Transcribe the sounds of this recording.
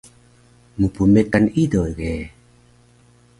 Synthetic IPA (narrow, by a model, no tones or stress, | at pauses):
mupumekːanidojɡe